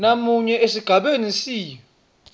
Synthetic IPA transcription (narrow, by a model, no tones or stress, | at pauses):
namuɲɛʔesiɡ̥ʱaɓenisiːjɔ